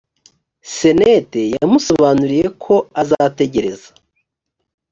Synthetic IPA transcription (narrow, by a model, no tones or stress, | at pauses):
se̞nete̞jamuso̞βaːnuɾije̞kʰo̞azate̞ɟe̞ɾe̞za